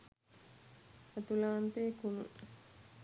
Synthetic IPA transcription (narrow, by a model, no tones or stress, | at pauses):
at̪ulaːnt̪eːkunṵ